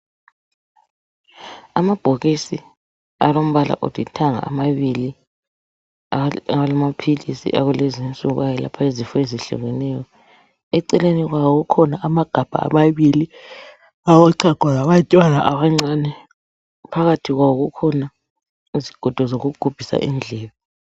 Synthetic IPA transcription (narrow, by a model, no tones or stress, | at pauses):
amab̥ʱoɣisḭ | a̰lom̩βala̰ʔo̰d̥ʱitʰaŋa̰ːmaβili | awalamapʰilisḭʔa̰ɣulɛzint͡sʼuɣajɛla̰pʰaezifɔeziɬṵɣɛnɛjɔ | ɛǀɛleniɣwawɔɣukʰɔnaʔamaɡ̥ʱab̥ʱa̰a̰maβili | awɔǀʰaɡ̥ʱwaɣaβat͡ʃʼwanaʔaβaŋ͡ǀanɛ | pʰaɣatʰiɣwawɔɣukʰɔna | iziɡ̥ʱɔd̥ʱɔzoɣuɡ̥ʱub̥ʱisa̰ʔḭnd͡ɮʱɛːβɔ